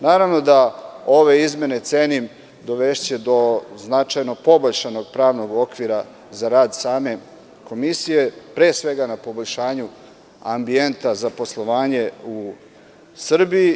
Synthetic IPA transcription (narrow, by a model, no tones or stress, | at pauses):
naːɾaʋno̞d̪ao̞ʋe̞izme̞ne̞t̪seːnim | d̪o̞ʋe̞ʃt͡ɕe̞d̪o̞znat͡ʃajno̞po̞boʎʲʃano̞ɡ̚pɾaːʋno̞ɡo̞kʋiɾa | zaɾaːd̪saːme̞ | ko̞misije̞pɾe̞ːsʋe̞ɡanapo̞boʎʲʃaːɲu | ambient̪azapo̞slˠo̞ʋaːɲe̞u | sr̩bii